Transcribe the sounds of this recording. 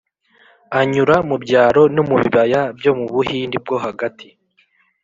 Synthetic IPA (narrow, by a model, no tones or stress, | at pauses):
aɲuɾamubɟaːɾo̞nomuβiβajabjo̞muβuhiːndib̚ɡo̞ɦaɡatʰi